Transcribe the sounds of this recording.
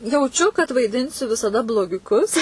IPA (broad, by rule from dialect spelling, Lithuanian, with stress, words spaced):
jɛʊˈt͡ʃʲʊ kɐt ʋɐɪˈdʲɪnʲsʲʊ ʋʲɪsɐˈdɐ blˠoːɡʲʊˈkʊs